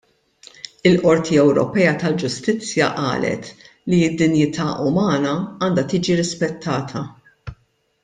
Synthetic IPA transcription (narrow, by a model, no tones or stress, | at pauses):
ɪlʔɔɾt̪ʰiɛwɾɔ̰pɛːjɐt̪ɐld͡ʒʊst̪ɪt͡sːjɐ̰ʔɐ̰ːlɛ̰t̪ | liɪd̪ːɪnjɪt̪ʰɐːʔʊmɐːnɐɐːnd̪ɐt̪iːd͡ʒiɾɪspɛt̪ʰːɐːt̪ʰɐ